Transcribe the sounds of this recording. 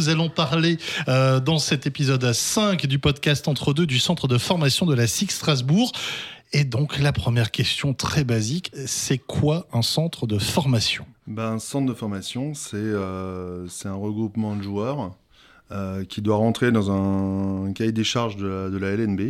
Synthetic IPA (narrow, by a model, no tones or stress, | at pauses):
zalɔ̃paʁleød̪ɑ̃sɛt̪epizɔd̪sɛ̃kd̪ypɔd̪kʲast̪ɑ̃t̪χəd̪ød̪ysɑ̃t̪χəd̪əfɔʁmasjɔ̃d̪əlasikst̪χazbuʁ | ed̪ɔ̃klapχəmjɛʁkʲɛst̪jɔ̃t̪χɛbaziksɛkʰwaɛ̃sɑ̃t̪χəd̪əfɔʁmasjɔ̰̃baɛ̃sɑ̃t̪χd̪əfɔʁmasjɔ̃sɛøsɛt̪ɛ̃ʁəɡʁupmɑ̃d̪əʒuœʁ | økʲʰid̪waʁɑ̃t̪χed̪ɑ̃zɛ̃kajd̪eʃaʁʒd̪əd̪əlaɛlɛnbe